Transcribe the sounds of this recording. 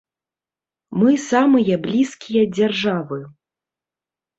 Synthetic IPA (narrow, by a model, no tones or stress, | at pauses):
mɨsamɨjɐblʲiskʲijɐd͡zʲarʐavɨ